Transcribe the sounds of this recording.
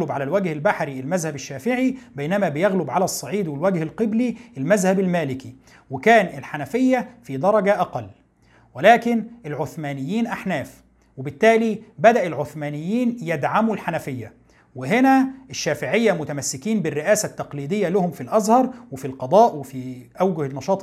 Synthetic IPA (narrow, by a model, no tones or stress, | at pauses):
lʊbʕalælwæɡhɪlbaħɾiɪlmæzhæbɪʃːæːfɪʕibejnæmæbɪjæɣlʊbʕalæsˤːɑʕiːd̪wɪlwæɡhɪlqɨbliʔɪlmæzhæbɪlmæːlɪki | wɪkæːnɪlħanæfɪjːæfid̪ɑɾˤɑɡæʔæqɑlː | wɪlæːkɪnʔɪlʕoθmæːnɪjːiːnʔaħnæːf | wɪbɪt̪ːæːlibæd̪æʔɪlʕoθmæːnɪjːiːnjed̪ʕamuːlħanæfɪjːæ | wɪɦɪnæʔɪʃːæːfɪʕɪjːæmʊt̪æmæsːɪkiːnbɪrːɪʔæːsæt̪ːɑqliːd̪ɪjːælæhʊmfilʔæzhɑɾˤwɪfilqɑd̪ˤɑːʔwɪfiʔæwɡʊhnːɑʃɑːt̪ˤ